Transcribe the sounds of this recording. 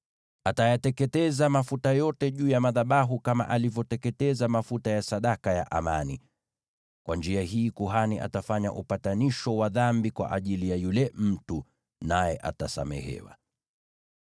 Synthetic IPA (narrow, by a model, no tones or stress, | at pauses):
atajatɛkɛtɛzamafutajɔtɛʄuːjamaðaɓaɦukama̰ʔalivjɔtɛkɛtɛzamafutajasaɗakaja̰ʔa̰mani | kwʔand͡ʒiahiːkuɦaniʔa̰tafaɲa̰ʔupataniʃɔwaðambikwa̰ʔaʄilijajulɛm̩tu | najɛʔa̰tasa̰mɛ̰hɛ̰wa̰